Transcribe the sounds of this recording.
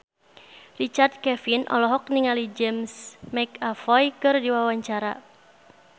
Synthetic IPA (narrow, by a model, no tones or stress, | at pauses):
rit͡ʃard̪̚kɛfinʔɔ̰lɔɦɔk̚niŋalid͡ʒɛmsmɛkafɔjkɨrdiwawaɲt͡ʃaɾa